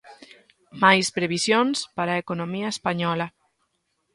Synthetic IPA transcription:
majspɾeβisjonspaɾaekonomiɐespaɲɔlɐ

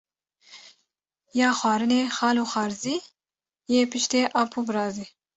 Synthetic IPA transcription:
jɑːxwɑːɾɨneːxɑːluːxɑːɾziː | jeːpɨʃt̪eːʔɑːpʰuːbɨɾɑːziː

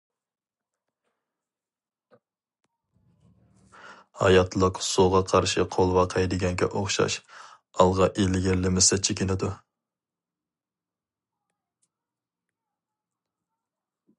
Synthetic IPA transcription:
hɑ̰jɑt̪ʰlˠəqsuʁɑqʰɑɾʃɪqʰolˠvɑqʰɑjd̪ɪɡʲɛŋkʲɛ̰ʔoχʃɑ̰ʃ | ɑlˠʁɑʔelɪɡʲɪɾlɪmɪsɛt͡ʃʰekʲɪnɪd̪u

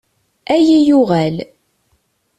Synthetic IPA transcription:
æjijuʁæl

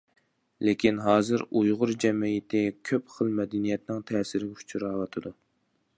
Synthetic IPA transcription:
lekʲʰinɦɑːzɨɾujʁʊɾd͡ʒɛmijɪt̪ʰɪkʲʰøpχəlˠmɛd̪ɛnijɛt̪nɪŋt̪ʰɛːsɪɾɪɡʲut͡ʃʰuɾɑːwɑt̪ʰɨd̪u

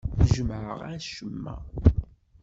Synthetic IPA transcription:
ʒəmʕə̰ʁʃəmːæ̰

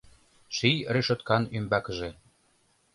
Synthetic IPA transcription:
ʃijreʃot̪kɑnymbɑkə̆ʒĕ

